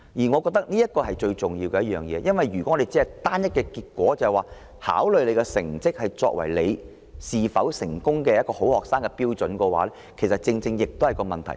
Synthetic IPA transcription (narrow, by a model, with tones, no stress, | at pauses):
jiː˨˩ŋɔː˨˧kɔ˧k̚t̪ɐ˥k̚niː˥jɐ˥t̚kːɔː˧hɐ˨jt͡ʃɵ˧ɥt͡sʊ˨ŋjiː˧wkɛ˧jɐ˥jœː˨ŋjɛː˨˧jɐ˥nwɐ˨jɥy˨˩kɔ˨˦˥ɔ˨˧e˨jt͡siː˨˥ɐ˨˩jt̪aː˥njɐ˥t̚kɛ˧kiː˧t̚kʷɔː˨˥t͡sɐ˨hwaː˨˩ | ha̰ː˨˥wlɵ˨ɥle˨˧jkɛ˧sɪ̰˨˩ŋt͡sɪ˥k̚hɐ˨jt͡sɔ̰ː˧k̚wɐ̰˨˩jle˨˧j | siː˨fɐ˨˥wsɪ˨˩ŋkʊ˥ŋkɛ˧jɐ˥t̚kɔː˧ho˨˥whɔː˨k̚saː˥ŋkɛ˧piː˥wt͡sɵ˨˥nkɔː˧wa̰ː˨˦lɛ˥kʰe˨˩sɐ˨t̚t͡sɪ˧ŋt͡sɪ˧ŋjɪ˨k̚t̪whɐ˨˩jkɔː˧mɐ˨nt̪ʰɐ̰˨˩j